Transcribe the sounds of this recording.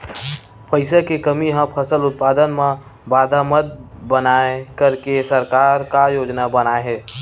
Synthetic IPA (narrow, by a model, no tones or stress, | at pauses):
pəɪsekekəmiɦə̃pʰəsəlʊt̪̚pad̪ənme | bad̪ʱaməd̪̚bənaekəɾkesəɾkaɾkajod͡ʒnabənaeɦɛ